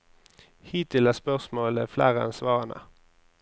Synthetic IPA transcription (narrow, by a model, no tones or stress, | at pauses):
hiːt̪ɪlæspœʁsmoːlə̰flæːʁəɑ̰nsʋɑːʁənə̰